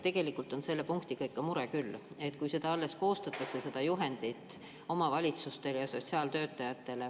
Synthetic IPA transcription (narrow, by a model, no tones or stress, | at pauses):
t̪e̞ɡ̥e̞likːˑult̪ˑo̞nse̞lːe̞puŋkt̪ikɤjkkːɑmuɾe̞kylː | e̞t̪ˑkujse̞d̪ɑɑlːe̞sko̞ːst̪ɑt̪ːˑɑkse̞se̞d̪̥ɑjuɦe̞nd̪̥it̪ːˑ | o̞mɑvɑlʲit̪sust̪e̞ljɑso̞tʲsiɑːlt̪ø̞ːt̪ːˑɑjɑt̪ːˑe̞le̞